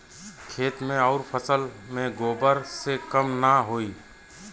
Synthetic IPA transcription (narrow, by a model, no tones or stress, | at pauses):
kʰeːt̪mẽɔːɾpʰəsəlmẽɡoːbəɾsekəmnaɦoːi